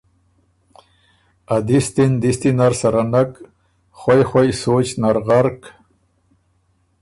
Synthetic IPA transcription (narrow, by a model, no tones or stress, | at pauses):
ad̪ist̪ind̪ist̪inaɾsaɾanak | χwajxwajsot͡ɕnaɾʁaɾk